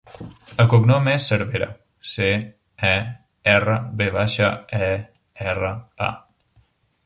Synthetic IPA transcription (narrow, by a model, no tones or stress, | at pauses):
əkoknɔmɛsːəɾβeɾa̰ | se | ɛ | ɛrəβeβaʃaɛ | ɛrəa̰